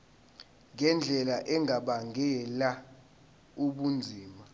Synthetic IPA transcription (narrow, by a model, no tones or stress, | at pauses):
ŋʱɛnd͡ɮʱɛlaʔɛŋʱaɓaŋɛla | uɓund͡zʱiːma